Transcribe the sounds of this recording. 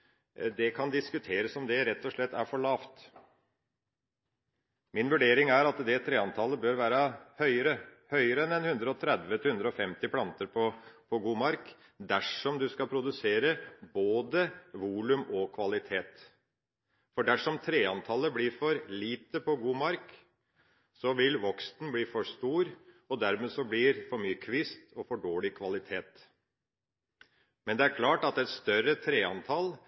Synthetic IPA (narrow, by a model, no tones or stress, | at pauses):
d̪ɛkʰɑnd̪ɪskʉt̪ʰeːɾəsɔmd̪ɛɾɛt̪ʰːɔʂɭɛt̪ːæɾfɔɭɑːʋt̪ | mɪnʋʉɖeːɾɪŋæɾɑt̪d̪ɛt̪ʰɾeːɑnt̪ʰɑlːəbøːɾʋæːɾəhœʏəɾəhœʏəɾəɛnɛnhʉnd̪ɾəɔt̪ʰɾɛd̪ʋət̪hʉnd̪ɾəɔfɛmt̪ɪpʰlɑnt̪əɾpʰɔpʰɔɡuːmɑɾk | d̪æʂɔmd̪ʉskɑpʰɾʊd̪ʉseːɾəboːd̪əʋuːlʉmɔkʰʋɑlɪt̪ʰeːt̪ | fɔɖæʂɔmt̪ʰɾeːɑnt̪ʰɑləbliːɾfɔɾliːt̪əpʰɔɡuːmɑɾk | sɔʋɪlʋɔkst̪n̩bliːfɔʂt̪uːɾ | ɔd̪æɾmeːsɔblɪɾfɔɾmyːkʰʋɪst̪ʰɔfɔɖoːɭɪkʰʋɑlɪt̪ʰeːt̪ | mɛnd̪ɛæɾkʰlɑːʈɑt̪ɛt̪st̪œɾət̪ʰɾeːɑnt̪ʰɑl